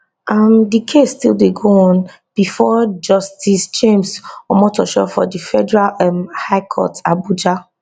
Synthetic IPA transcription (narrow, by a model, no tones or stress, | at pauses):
amdikʰesːtḭlˠdeɡoɔ̃n | b̥ifɔd͡ʒɔstist͡ʃẽmsɔmɔtɔʃɔ̰fɔ̰difɛdɛɹalmhaɪkʰɔ̰tabud͡ʒa